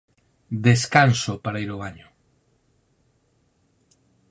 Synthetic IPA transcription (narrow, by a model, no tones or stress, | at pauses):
d̪eskansopaɾaiɾoβaɲʊ